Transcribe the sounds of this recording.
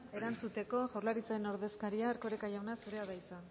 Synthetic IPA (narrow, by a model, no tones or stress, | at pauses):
e̞ɾant͡sut̪e̞ko̞ʝorlaɾit͡saeno̞ɾðe̞skaɾiaːɾko̞ɾekaʝawnasuɾe̞aðajt͡sa